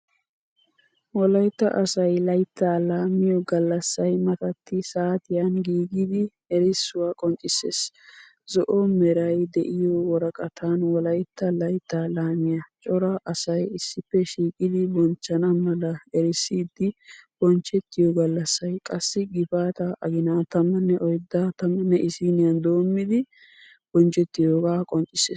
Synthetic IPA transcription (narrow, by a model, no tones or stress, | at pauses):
wɔlɐjt̪ːɐ̰ʔɐsɐjlɐjt̪ːaːlaːmɪjɔɡɐlːɐsːɐjmɐt̪ɐt̪ːɪsaːt̪ɪjɐnɡiːɡɪd̪ɪ | ɛɾɪsːʊwaːkʼɔnt͡ʃʼːɪsːḛːs | zɔʔɔmɛɾɐjd̪ɛʔɪjɔwɔɾɐkʼɐt̪ʰanwɔlɐjt̪ːɐlɐjt̪ːaːlaːmɪjɐt͡ʃʼɔɾɐʔɐsɐjɪsːɪpːɛʃiːkʼɪd̪ɪbɔnt͡ʃːɐnɐmɐlɐɛɾɪsːiːd̪ːɪb̥ɔnt͡ʃːɛt̪ːɪjɔɡɐlːɐsːɐjkʼɐsːɪɡɪfaːt̪ɐʔɐɡɪnaːt̪ɐmːɐnːɛʔɔjd̪ːaːt̪ɐmːɐnːɛʔɪsinɪjɐnd̪o̞ːmːɪd̪ɪ | b̥ɔnt͡ʃʼɛt̪ːɪjoːɡaːkʼɔnt͡ʃʼɪseːs